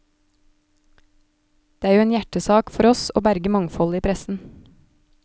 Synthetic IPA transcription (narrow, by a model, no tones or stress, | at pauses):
d̪̥eːæːɾuːeːnjæʈəsɑːkfɔɾɔso̰ːbæɾɡəmɑŋfɔliːpʰɾɛsn̩